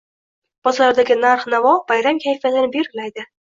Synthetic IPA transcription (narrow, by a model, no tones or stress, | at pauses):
b̥ɒzɾd̪aɡʲɪnaɾχnavɒb̥ajɾamkʲʰajfat̪ɪnɪbeɾlajd̪ɪ